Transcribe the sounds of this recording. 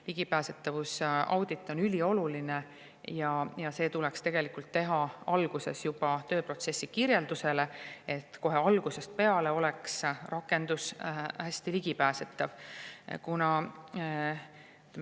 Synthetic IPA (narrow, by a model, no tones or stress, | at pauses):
liɡ̥ipæːse̞t̪ːˑɑvusɑ̰wd̪̥it̪ːˑo̞nylʲio̞luline | jɑjɑse̞ːt̪ulekst̪e̞ɡ̥e̞likult̪ːe̞ɦɑɑlɡ̥use̞̰sjub̥ɑt̪ø̞ːpro̞t̪se̞sːikirjeld̪use̞le̞e̞t̪ːˑko̞ɦe̞ɑlɡ̥use̞st̪̚pe̞ɑle̞o̞lɛksrɑkːˑe̞nd̪̥ushæsʲt̪iliɡ̥ipæːset̪ːˑɑvkunɑ